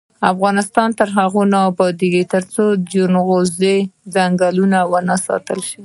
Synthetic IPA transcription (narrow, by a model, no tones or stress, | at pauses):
afɣɑnɪst̪ɑnt̪əɾɦaɣonɑbɑd̪eɡit̪əɾt͡sod͡ʒunɣozed͡zaŋɡalunawənasɑ̰t̪əlʃəi